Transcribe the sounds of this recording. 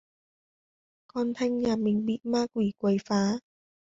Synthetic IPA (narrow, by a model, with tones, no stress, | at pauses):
kɔː˧nt̪ʰa˧˥ŋjaː˧mi˨˧˩ŋbi˧t̪̚maː˥kwiː˨˩kwə˧˩jfaː˨˥